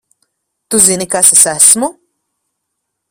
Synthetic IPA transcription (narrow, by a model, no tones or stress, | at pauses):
t̪uzinikasɛsæsmu